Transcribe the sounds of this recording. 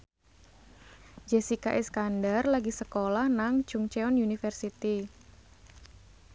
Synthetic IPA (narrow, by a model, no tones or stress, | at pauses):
d͡ʒɛsikaʔɛskandarlaɡisəkolahnaŋd̥ʒ̥uŋt͡ʃɛɔnjunifərsit̪i